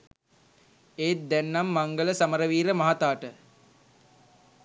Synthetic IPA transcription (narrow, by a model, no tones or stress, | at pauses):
eːt̪̚d̪ɛnːamːaŋɡələsaməɾəʋiːɾəmaɦat̪aːʈə